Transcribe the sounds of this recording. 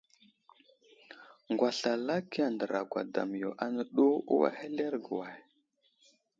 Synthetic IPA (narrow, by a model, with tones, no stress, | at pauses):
ŋɡwa˨ɬa˨la˦ki˦a˨ndə˨ɾa˨ɡʷa̰˨da̰˨m˨jo˨ʔa˦nə˨ɗu˦ṵ˦wa̰˦he˦le˦ɾɡə˨wa˨j